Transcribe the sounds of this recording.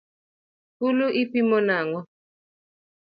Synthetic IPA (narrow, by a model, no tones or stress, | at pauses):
kuluʔipimɔnaŋɔ